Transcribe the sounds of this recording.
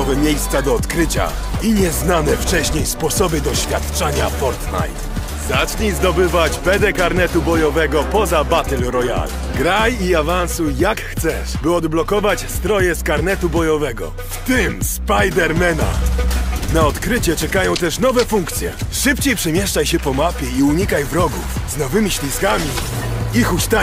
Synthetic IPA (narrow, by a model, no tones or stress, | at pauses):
ɔvɛmʲjejst̪sad̪ɔːt̪kɾɘt͡ɕa̰ | iɲɛznanɛft͡ʂɛɕɲejspɔsɔbɘd̪ɔɕfʲja̰t̪t͡ʂaɲafɔɾt̪na̰jt̪ | zat͡ʂɲizd̪ɔbɘvat͡ɕpɛd̪ɛkaɾnɛt̪ubɔjɔvɛɡɔpɔzabat̪ɛlɾɔja̰l | ɡɾajiavansujakxt̪sɛʂbɘɔd̪blɔkɔvat͡ɕst̪ɾɔjɛskaɾnɛt̪ubɔjɔvɛɡɔ̰ | ft̪ɘmspajd̪ɛɾmɛna̰ | naɔt̪kɾɘt͡ɕɛt͡ʂɛkajɔ̃w̃t̪ɛʂnɔvɛfuŋkt̪sʲjɛ̰ʂɘpt͡ɕejpʂɛmʲjɛʂt͡ʂajɕɛpɔmapʲjɛiuɲikajvɾɔɡufznɔvɘmʲiɕlʲiskamʲiixust̪a